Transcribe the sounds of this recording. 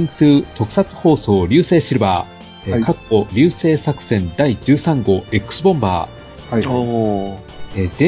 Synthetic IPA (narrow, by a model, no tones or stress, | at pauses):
ŋtɨːt̪o̞kɯ̟̥sat͡sɨ̥ho̞ːso̞ːɾʲɨːse̞ːɕiɾɯ̟baː | kakːo̞ɾʲɨːse̞ːsakɯ̟̥sẽ̞nd̪aid͡ʑɨːsãŋɡo̞ekɯ̥sɨbõ̞mba̰ː | ed̪̥ẽ̞